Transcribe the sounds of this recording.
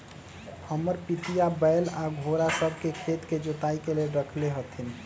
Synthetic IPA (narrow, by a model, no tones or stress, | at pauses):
həməɾpit̪ijabəɪlaɡʱoɾasəbʱkekʰet̪ked͡ʒot̪aikeleɾəkʰleɦət̪ʰin